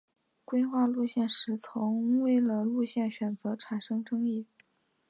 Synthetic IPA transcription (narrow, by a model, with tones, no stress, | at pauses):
kwe˥ɪxwa˥˧lu˥˧ɕjɛ˥˩nʂɻ̩˧˥t͡sʰʊ˧˥ŋwe˥˩ɪlə˩lu˥˧ɕjɛ˥˩nɕɥɛ˨˩nt͡sɤ˧˥ʈ͡ʂʰa˨˩nʂɤ˥ŋʈ͡ʂɤ˥ŋi˥˩